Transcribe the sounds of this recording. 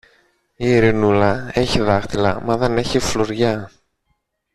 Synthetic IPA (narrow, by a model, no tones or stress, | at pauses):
iːɾinulɐe̞çiðɐxt̪ilɐ̰mɐðe̞ne̞çifloɾʝɐ